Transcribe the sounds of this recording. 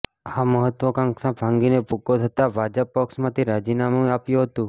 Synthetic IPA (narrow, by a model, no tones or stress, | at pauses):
aməɦət̪ʋəkãŋksãbʱãŋɡinepukot̪ʰət̪abʱad͡ʒəpːɔksmãt̪ʰiɾad͡ʒinamũapjũɦət̪ũ